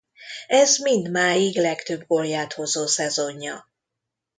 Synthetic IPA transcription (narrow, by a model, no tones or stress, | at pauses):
ɛzmind̪maːjiɡlɛkt̪øbɡoljaːt̪ho̞zoːsɛzo̞ɲːɒ